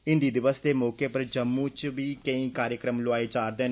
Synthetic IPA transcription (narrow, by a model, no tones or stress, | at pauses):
ɪ̃nd̪iːd̪ɪʋəsd̪eːmɔːkeːpəɾd͡ʒəmːũːt͡ʃʋiːkəĩːkaːɾjəkɾəmloaːeːd͡ʒaːɾd̪eːn